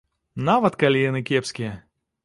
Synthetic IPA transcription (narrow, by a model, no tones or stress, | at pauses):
navɐt̪kalʲiɛnɨkʲɛpsʲkʲɪjɛ